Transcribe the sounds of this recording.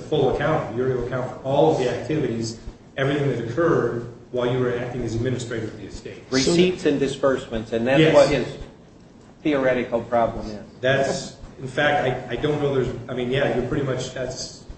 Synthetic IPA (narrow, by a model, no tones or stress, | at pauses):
əfʊlˠəkʰãʊ̃ntfəjʊɹilˠəkʰãʊ̃ntfə˞ʔɔlˠʌvðiæk̚tʰɪvɨɾiz | ɛvɹiθɪ̃ŋðɨɾɨkʰɜ˞d̚waɪlˠjɨwə˞æk̚tɪ̃ŋɨzɨd̚mɪ̃nɨstɹ̥eɪɾʌvðiɨsteɪt̚ɹisitsɨ̃ndɨspɜ˞smɨ̃ntsɨ̃nðætwʌt̚hɪz̥ | θiə˞ɛɾɨkl̩ˠpʰɹ̥ɑblə̃mɪz̥ðætsɨ̃n̩fæk̚taɪaɪdõʊ̃nnoʊðə˞zaɪmĩnjæɪjəpʰɹ̥ɪɾimʌt͡ʃðæts